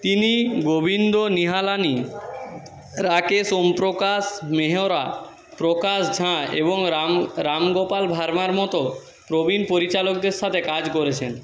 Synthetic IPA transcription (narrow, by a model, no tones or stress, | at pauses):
t̪iniɡobind̪oniɦalani | ɾakesompɾokaʃmeɦoɾa | pɾokaʃd͡ʑʱãḛboŋɾɾamɡopalbʱaɾmaɾmɔt̪o | pɾobinpoɾit͡ɕalok̚d̪eɾʃat̪ʰekad͡ʑkoɾet͡ɕʰen